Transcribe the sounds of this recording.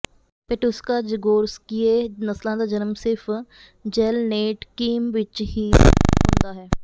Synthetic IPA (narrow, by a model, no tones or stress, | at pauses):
peʈʊskaːd͡ʒɪɡoːɾskieːnəslãːd̪aːd͡ʒənəmsɪɾfʰ | d͡ʒɛːlneːʈkiːmʋɪt͡ʃɦiːɦʊ̰̃nd̪aːɦɛː